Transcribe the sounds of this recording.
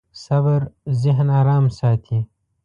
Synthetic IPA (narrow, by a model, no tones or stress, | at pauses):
sɐbəɾzɪɦnaːɾaːmsaːt̪ʰi